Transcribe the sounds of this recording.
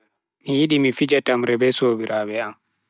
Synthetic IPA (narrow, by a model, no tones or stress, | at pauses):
mijiɗimifid͡ʒatamɾɛbɛsoːbiɾabɛam